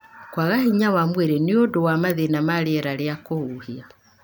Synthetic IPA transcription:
kwaɣahiɲawamweɾeneodowamaðenamaɾeɛɾaɾeakouhia

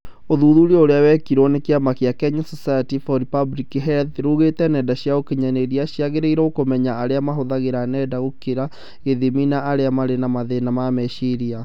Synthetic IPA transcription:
oðuːðuɾoɾeawɛkiɾonekeamakeakɛɲasɔsajatifɔɾipablikiɦɛlθɾuɣetɛnɛdaɕiaokeɲaneɾiaɕjaɣeɾeiɾɛokomɛɲaːɾeamaɦoðaɣeɾanɛːdaɣokeɾa | eðiminaʔːɾeamaɾenamaðenamamɛʃiɾia

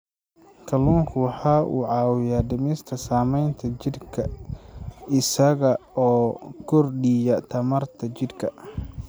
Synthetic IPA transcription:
kʰɐlɔːŋkʰʊwɑħɑːʔṵːʕɑːwɪjaːd̪ɐmɛst̪ʰɐsaːmɛjnt̪ʰɐt͡ʃɪd̪kʰɐ | ɪsɐɣɐɔːɡʰʊrɖɪjɐt̪ʰɐmɐrt̪ʰɐt͡ʃɪd̪kʰɐ

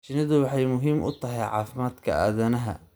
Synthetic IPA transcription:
t͡ʃɪnɐðʊwɑħɑjmʊɦiːmʔʊ̰t̪ʰɐɦɛjʕɑ̰ːfɪmaːd̪kʰɐ̰aːðɐnɐɦɐ̰

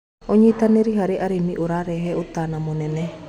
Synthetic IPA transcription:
oɲit̪aniɾiɦaɾiʔaɾimiʔuɾaɾɛɦɛut̪anamunɛnɛ

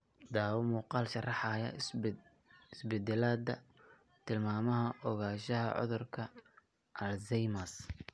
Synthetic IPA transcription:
d̪aːwʊmuːqɑːlʃɐrɑħɑjɐ̰ | ɪsbɛd̪ɛlaːd̪ɐ̰ | t̪ʰɪlmaːmɐɦɐʔɔɣaːʃɐɦɐ̰ʕɔ̰ðʊrkʰɐ | ʔɐlzɛjmɐs

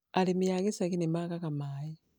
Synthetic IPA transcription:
alimijakisakinimakakamaːji

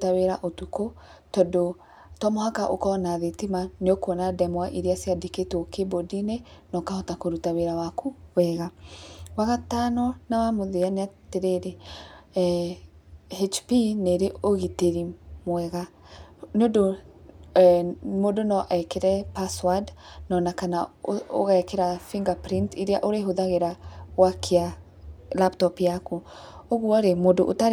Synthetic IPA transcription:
taweɾaʔotuko | tɔdo | tɔmohakaʔokɔnaðetimaneokoɔnadɛmwaʔiɾeaseadeketokebodinenɔkaɔtakoɾutaweɾawakuβɛɣawaɣatanɔnawamoðeaneateɾeɾe | het͡ʃpineɾeoɣiteɾimwɛɣa | neodo | modonɔʔaekeɾɛpaswadnɔnakanao̰ɣaɛkeɾafiŋɡapɾintiɾeaʔoɾeɦoðaɣeɾawakʰea | laptɔpjakuoɣuɔɾemodoʔota

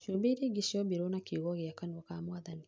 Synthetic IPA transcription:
ʃobeiɾeɡiʃɔbiɾonakeɣɔɣeakanɔkamwaðani

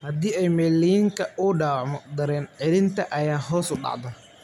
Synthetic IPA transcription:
hɐd̪iːɛjmɛːlːijɪŋkʰɐʊɖaːʕmɔd̪ɐɾɛːnʕɪlɪnt̪ʰɐʔɐjaːɦɔːsʊɖɑ̰ʕd̪ɐ

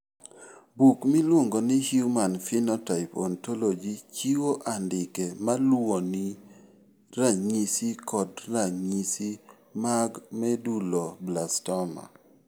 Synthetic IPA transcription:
bukmilwoŋɡonɪhjumanfinɔtaɪpɔntolod͡ʒit͡ʃiwoʔandɪkɛmalwoni | ɾaɲisikɔdraɲisi | maɡmɛdulɔblastɔma̰

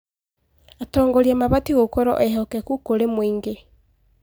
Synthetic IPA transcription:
atɔːŋɡɔɾiamaβatiɣokɔɾɔ̰ʔɛɦɔkɛkukoɾemwiŋɡe

